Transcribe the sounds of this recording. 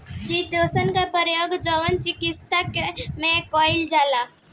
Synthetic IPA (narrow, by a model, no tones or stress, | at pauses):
d͡ʒiːd̪oːsənkapəɾjoːɡd͡ʒəʋənt͡ʃɪkɪst̪akemẽkɔːɪld͡ʒaːla